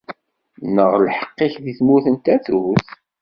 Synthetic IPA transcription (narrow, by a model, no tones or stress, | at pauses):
nəʁlħə̥qːɪçðiθmuθənt̪æθuθ